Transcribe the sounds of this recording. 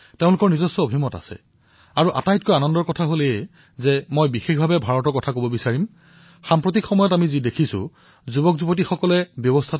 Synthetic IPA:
teʊ̃lʊkɔɹnizɔsːɔobʱimɔta̰sɛ̰ | aɹuʔa̰tajt̚kojanɔndɔɹkɔtʰaɦole | zɛmojbixexbʱabɛbʱaɹɔtɔɹkɔtʰakobɔbisaɹim | xampɹot̬ikxɔmɔjɔtamizidekʰisʊ̰ | zubɔkzubotixɔkɔlɛbjɔbɔstʰa

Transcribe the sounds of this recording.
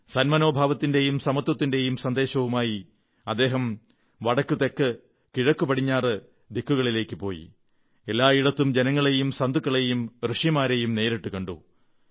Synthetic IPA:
sɐnmɐno̞ːbʱaːʋɐt̪ːinde̞jumsɐmɐt̪wɐt̪ːinde̞jumsɐnd̪e̞ːɕɐʋumaːji | ɐd̪ːe̞ːɦɐm | ʋɐɽɐkːut̪e̞kːɨ | kiɻɐkːupɐɽiɲːaːrɨ | d̪ikʰːuɣɐɭile̞ːkːɨpo̞̰ːjḭ | e̞lːaːiɽɐt̪ːumd͡ʑe̞nɐŋːɐɭe̞jumsɐnd̪ukːɐɭe̞jumrɨʂimaːɾe̞jumne̞ːɾiʈːukɐɳɖṵ

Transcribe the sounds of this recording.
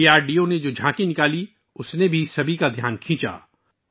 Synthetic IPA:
iaːɾɖiːoned͡ʒoːd͡ʒʱãːkinɪkaːli | ʊsnebʱisɐbʱikad̪ʱjaːnkʰĩːt͡ʃa̰ː

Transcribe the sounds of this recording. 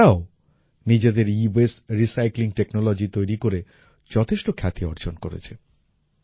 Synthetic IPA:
ao | nid͡ʑed̪eɾibesɾisajkliŋʈeknolod͡ʑit̪ojɾikoɾe | d͡ʑɔt̪ʰeʃʈokʰat̪iɔɾd͡ʑonko̰ɾḛt͡ɕʰe

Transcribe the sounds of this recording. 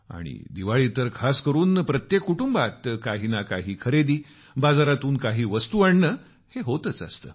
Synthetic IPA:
a̰ɽ̃ḭd̪iʋaɭit̪əɾkʰaskəɾuːnpɾət̪jekːuʈumbat̪kaɦiːnakaɦiːkʰəɾed̪iː | bad͡zaɾat̪uːnkaɦiːʋəst̪uəɳːə | heɦot̪ət͡sa̰st̪ə̰ː

